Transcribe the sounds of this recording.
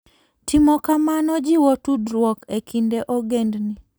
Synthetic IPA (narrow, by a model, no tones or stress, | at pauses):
tʰɪmɔkamanɔd͡ʒiwotudɾwɔkekʰindeʔɔɡendni